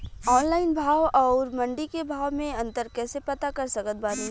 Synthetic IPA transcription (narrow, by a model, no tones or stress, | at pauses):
ɔːnlaːɪnbʱaːʋɔːɾmɐ̃ɳɖikebʱaːʋmẽɐ̃nt̪əɾkɛːsepɐt̪akɐɾsɐkət̪̚baːni